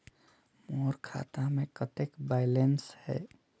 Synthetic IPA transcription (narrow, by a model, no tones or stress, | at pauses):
moːɾkʰa̰ːt̪amẽkət̪ekbaːɪlenshɛ̰ː